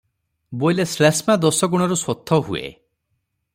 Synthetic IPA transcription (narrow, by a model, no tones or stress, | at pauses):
bojleslasmad̪ɔsɔɡuɽ̃ɔɾusɔt̪ʰːɔɦṵḛ